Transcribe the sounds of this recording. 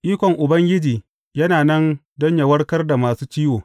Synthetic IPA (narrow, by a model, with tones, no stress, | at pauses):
ʔiː˦kʷɔ˨ŋʔʊ˨bɐ˦ŋɡʲɪ˦d͡ʒiː˨ | jɐ˦naː˨nɐ˦n | dɔ˦ɲja˨wɐ˦rkɐ˦rda˨maː˨suː˦t͡ʃiː˦woː˨